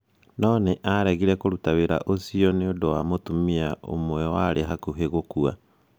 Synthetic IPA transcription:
nɔːneʔaɾɛɣiɾɛkoɾutaweɾa̰ʔosiɔneodowamotumiaʔo̰mwɛwaɾeɦakuɦeɣokua

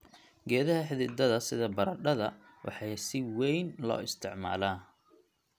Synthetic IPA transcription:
ɡɛːðɐɦɐħɪðɪːd̪ɐðɐsɪðɐbɐɾɐɖɐðɐ | wʔɑ̰ħɑjsɪwɛjnlɔ̰ːɪst̪ʰɪʕma̰ːlaː

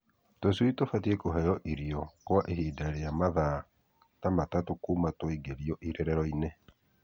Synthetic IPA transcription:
toswitofatiekoɦɛjɔʔiɾiɔkwɔʔehiːdaeɾejamaða | tamatatokuːmatwoiɡeɾiɔʔiɾɛɾɛɾɔine

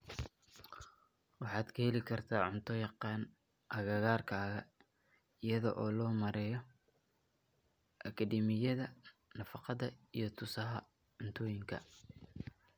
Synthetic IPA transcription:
wɑħɑːd̪kʰɐhɛlɪkʰɐrt̪ʰaːʕʊnt̪ʰɔjɑqɑːn | ʔɐɣɐɣaːrkʰaːɣɐ | ɪjɐðɔ̰ʔɔːlɔːmɐɾɛːjɔ | ʔɐkʰɐdiːmɪjɐðɐ | nɐfɑqɑðɐijɞt̪ʰʊsɐɦɐ̰ | ʕʊnt̪ʰɔːjɪŋkʰɐ̰

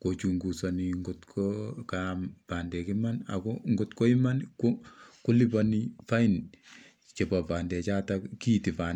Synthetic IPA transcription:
kot͡ʃuŋɡusaniŋɡʊtkʰɔkampandɛkimana̰kɔŋɡʊtkɔɪmankokulipanifain | t͡ʃepapandɛt͡ʃatakiːtipan

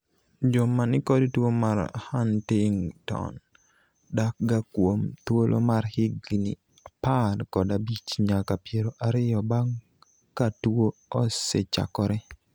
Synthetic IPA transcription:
d͡ʒomanɪkɔdtwomaɾhantɪŋtɔ̰n | dak̚ɡakwomt̪wolʔo̰maɾhɪɡnɪ | apadkɔdabit͡ʃɲakapjeɾoʔaɾɪjɔbaŋ | katwoɔsɛt͡ʃa̰kɔɾɛ

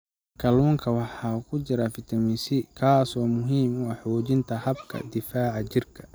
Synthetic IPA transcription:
kʰɐluːŋkʰɐwɑħɑːkʰʊt͡ʃɪɾɐfɪt̪ʰɐmisɪkʰaːsɔːmʊɦiːmwɑħɔːt͡ʃɪnt̪ʰɐhɐbkʰɐ̰d̪ɪfaːʕɑt͡ʃɪrkʰɐ̥

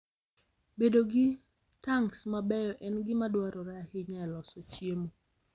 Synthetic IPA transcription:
bedoɡɪ | taŋsmabɛjɔʔɛnɡɪmadwaɾɔɾɛahɪɲɛlɔsɔt͡ʃjemo

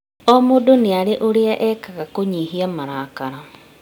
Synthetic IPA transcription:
ɔmodoneaɾeʔoɾeaʔɛkaɣakoɲiɦiamaɾaːkaɾa

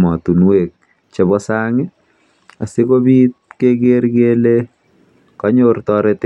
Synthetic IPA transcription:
matunwek̚ | t͡ʃɛbɔsaŋɪ | asikobit̚kekeɾkele | kɑɲortɔɾɛt

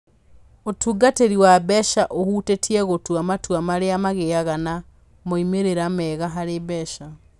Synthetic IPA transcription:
otʰuɡateɾiwabɛʃaʔohuːtetʰiɛɣotwamatwamaɾeamaɣeaɣana | moimeɾeɾamɛɣaɦaɾebɛʃa

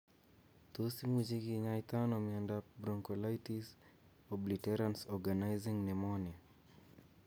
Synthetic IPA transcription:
t̪osimud͡ʒiɡiɲajt̪anɔmiandabɾɔŋkɔlajtis | ɔblitɛɾansɔɡanajziŋnɛmɔnia

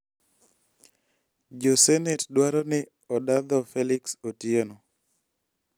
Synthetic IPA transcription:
d͡ʒosɛnetdwaɾɔnɪ | ɔdad̪ɔfɛlɪksotiono

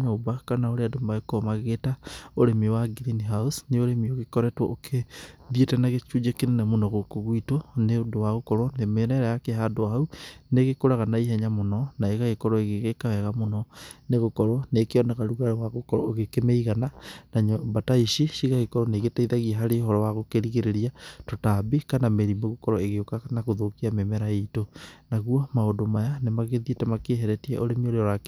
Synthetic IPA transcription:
ɲaobakanaoɾeadombaɣekɔmaɣɣetaoɾemiwaɡiɾiniɦausneoɾemioɣekɔɾɛtwɔ̰ʔokʰeðietɛnaɣet͡ʃud͡ʒekenenemonɔɣokoɣwitoneodowaɣokɔɾɔnemenɛɾajakeɦadoaɦauneɣekoɾaɣanaiɦɛɲamonɔnaeɣaɣekɔɾɔeɣeɣekawɛɣamonɔneɣokɔɾɔnekeɔnaɣaɾuɣaɾwaɣokɔɾɔɣekemeiɣananaɲɔbataiʃiʃiɣaɣekɔɾɔneɣetaiðaɣiaɦaɾeɦɔɾɔwaɣokeɾiɣeɾeɾiatotabekanameɾimeɣokɔɾɔeɣeokaanaɣoðokiamemɛɾaeitonaɣwɔmaodomajanemaɣeðietɛmakeɦɛɾɛtia̰ʔoɾemioɾeɔɾak

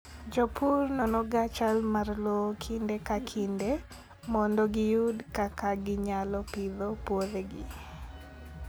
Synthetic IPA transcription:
d͡ʒɔpurnɔnɔɡat͡ʃalmarlɔkʰindekakʰinde | mɔndɔɡɪjudkakaɡɪɲalɔpɪðɔpwoðeɡɪ̰

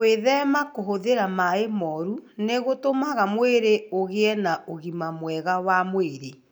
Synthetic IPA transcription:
weðɛmakoɦoðeɾamaemɔɾuneɣotomaɣamweɾeoɣeɛnaʔoɣimamwɛɣawamweɾe

